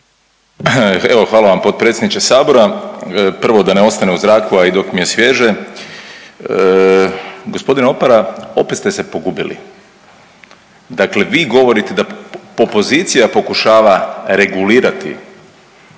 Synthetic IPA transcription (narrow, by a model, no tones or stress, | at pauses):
e̞ʋo̞xʋaːlˠaʋampo̞t̪̚pɾet̪sʲjed̪nit͡ʃesaːbo̞ɾa | pr̩ʋo̞d̪aneo̞st̪aneuzɾaːkuaid̪o̞kmije̞sʋje̞ʒe | ɡo̞spo̞d̪ineo̞paɾao̞̰pet̪st̪ese̞po̞ɡubilḭ | d̪akle̞ʋiːɡo̞ʋo̞ɾit̪ed̪aopo̞zit̪sijapo̞kuʃaːʋaɾe̞ɡuliːɾat̪ḭ